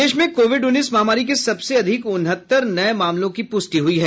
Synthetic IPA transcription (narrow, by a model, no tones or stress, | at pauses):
eːʃmẽkoːʋɪɖʊnːiːsmaːmaːɾik̬isɐbseɐd̪ʱɪkʊnɦət̪ːəɾnɐemaːmlõkipʊsʈiɦʊiɦɛː